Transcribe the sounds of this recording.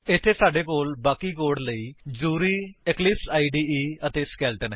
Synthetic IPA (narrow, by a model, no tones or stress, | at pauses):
ɪt̪ʰːeːsaːɖeːkoːlbaːkiːkoːɽləiːd͡ʒuːɾiːɪklɪpsaːiːɖiːiːət̪eːskɛːlʈənɦ